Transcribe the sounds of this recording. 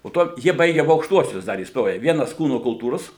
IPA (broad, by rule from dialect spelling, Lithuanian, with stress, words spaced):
poː ˈtoː ˈjiɛ ˈbɐɪɡʲɛ ɐˈbʊ ɐʊkʃˈtuɔsʲʊs ˈdɐr iːsˈtoːjɛ ˈʋʲiɛnɐs ˈkuːnoː kʊlˠˈtuːroːs